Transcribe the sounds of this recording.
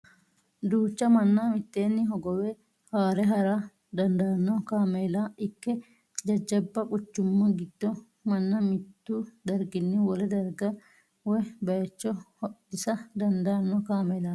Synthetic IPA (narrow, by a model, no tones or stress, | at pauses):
d̪uːt͡ʃːɐmɐnːɐmɪt̪ːeːnːɪɦɔɡɔwɛ | haːɾɛɦɐɾɐ | d̪ɐnd̪ɐɐnːɔkaːmeːlaʔɪkːɛ | d͡ʒɐd͡ʒːɐbːɐkʼʊt͡ʃːʊmːɐɡɪd̪̥ːɔ | mɐnːɐmɪt̪ːud̪ɐɾɡɪnːɪwɔlɛd̪ɐɾɡɐ | wɔjbɐjɛt͡ʃːɔhɔʔɪsɐd̪ɐnd̪ɐːnːɔkaːmelaː